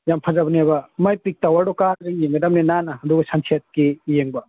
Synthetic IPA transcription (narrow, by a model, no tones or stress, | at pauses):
jampʰɐzabɐniabɐmajpik̚tawaɖɔkaɡiŋjeŋɡɐdamninanɐɐduɡɐsaŋsʰiɐt̚kijeŋbɐ